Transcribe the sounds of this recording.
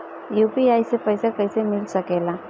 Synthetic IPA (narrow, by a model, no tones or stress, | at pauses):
juːpiaːisepəɦɪsakɐɪsemɪlsɐkeːla